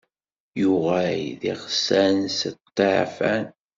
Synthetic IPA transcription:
juʁæjðiχsænsət̪ˤːeʕfæn

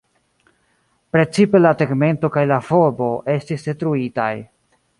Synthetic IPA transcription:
pɾe̞t͡sipe̞lateɡme̞nto̞kajlafo̞ɾbo̞ʔe̞stisdetɾuita̰j

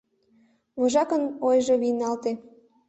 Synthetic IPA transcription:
βoʒɑkənojʒoβinɑlt̪e

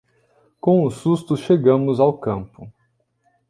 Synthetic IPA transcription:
kõʊsust̪ʊʃeɡɐ̃mʊzawkɐ̃mpʊ

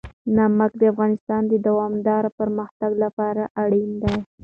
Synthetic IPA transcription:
namakd̪əafɣɑnɪst̪ɑnd̪əd̪awɑmd̪ɑɾapəɾməxt̪aɡlapɑɾaʔaɽind̪aj

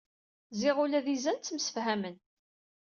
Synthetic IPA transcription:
zɪʁulæðizænt͡sːmsə̥fhæmən

